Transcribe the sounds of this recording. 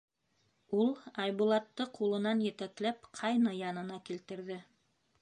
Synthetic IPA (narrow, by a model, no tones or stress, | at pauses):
ulˠɑjβulˠɑt̪ːɤqulˠɤ̆nɑnjɘ̆t̪æklæpqʰɑjnɑjɑnɤ̆nɑkilt̪ɘ̆ɾðɘ